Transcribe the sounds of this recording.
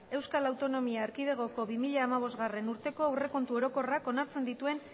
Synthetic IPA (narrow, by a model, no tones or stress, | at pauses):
e̞wskalawt̪o̞no̞miaːɾkið̞e̞ɣ̞o̞ko̞βimiʎaːmaβ̞o̞zɣare̞nuɾt̪e̞ko̞awre̞ko̞nt̪uo̞ɾo̞ko̞rako̞naɾt͡se̞nd̪it̪ue̞n